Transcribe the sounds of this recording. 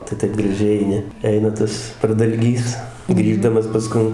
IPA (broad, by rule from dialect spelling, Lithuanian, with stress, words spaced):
tɐɪ ˈtɐɪp ɡrɐˈʒʲɛɪ ɛɪˈnʲɪ ˈɛɪnɐ ˈtɐs prɐdɐlʲˈɡʲiːs ˈɡrʲiːʒdɐmɐs pɐˈskʊn